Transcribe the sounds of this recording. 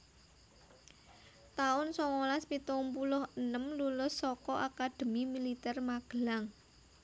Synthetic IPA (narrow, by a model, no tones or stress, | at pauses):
t̪aʊnsɔŋolaspit̪ɔmpulʊhənəmlulʊsːɔkɔʔakad̪̥ə̤mimilit̪ɛrmaɡ̥əlaŋ